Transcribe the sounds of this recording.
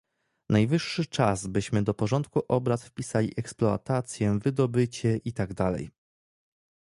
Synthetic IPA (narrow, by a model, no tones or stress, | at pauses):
najvɘʂːɘt͡ʂazbɘɕmɘd̪ɔpɔʐɔnt̪kuʔɔbɾat̪fpʲisalʲiʔɛksplɔa̰t̪at̪sʲjɛvɘd̪ɔbɘt͡ɕɛʔit̪aɡd̪alɛ̰j